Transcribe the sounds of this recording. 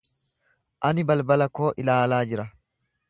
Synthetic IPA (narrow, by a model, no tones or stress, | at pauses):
ʔɐnɪbɐlbɐlɐko̞ːʔɪlaːlaːd͡ʒɪɾɐ